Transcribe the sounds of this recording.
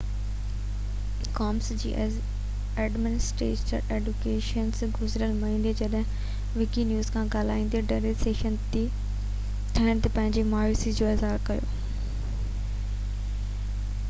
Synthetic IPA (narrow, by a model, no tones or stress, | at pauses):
kaːmsd͡ʑiːʔ | eːɖmɪnɪsʈɾḛːt͡ɕəɾeːɖʊkeːʃənsɡʊzɾəlmɐɦĩːnd̪ed͡ʑɐɗɦɪ̃ | ʋɪkinjuːzkʰãːɡaːl̤aːĩːn̆d̪eɖeɾeseːʃənt̪i | t̪ʰɐəɽ̃t̪epɐ̃ɦɪ̃ɲd͡ʑemʊaːjisid͡ʑoːɪzɦaːɾkɐjo̰ː